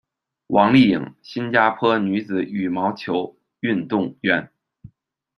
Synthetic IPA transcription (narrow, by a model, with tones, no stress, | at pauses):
wʔɑ˧˥ŋli˥˩i˨˩ŋɕi˥nt͡ɕja˥pʰɤ˥ny˧˥d͡zɹ̩˨˩˦y˨˩mɑ˧˥ʊt͡ɕʰjo˧˥ʊ | y˥˧nt̪ʊ˥˩ŋɥɛ˥n